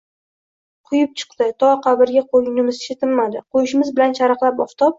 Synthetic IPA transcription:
qʰʊjɪp̚t͡ʃʰɨ̥qd̪ɪt̪ʰɒqʰɑbɪɾɡʲaqʰojɪnɪmɪzɪʃɪt̪ʰɪlmad̪ɪqojɪʃɪmɪzbɪlant͡ʃʰaɾɨqlˠapɒft̪ʰɒp̚

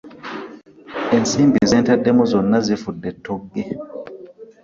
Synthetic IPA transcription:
ʔɛnsimbiizɛntaɗɛmɔzɔnːazifudːɛtʰːɔɡːɛ

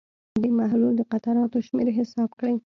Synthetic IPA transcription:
d̪emaɦluld̪əqat̪aɾɑt̪oʃmeɾɦɪsɑbkɽaj

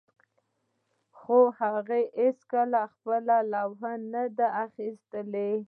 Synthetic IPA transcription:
xohaɣeheskalaxpəlalawɦanːad̪aaxist̪əle

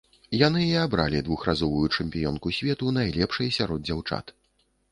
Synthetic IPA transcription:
jan̪ɨiabɾa̰lʲid̪vuxrazɔvujut͡ʂɛmʲpʲijɔnkusʲvʲɛt̪unajlʲɛpʂɐjsʲaɾɔd̪̚d͡zʲawt͡ʂa̰t̪

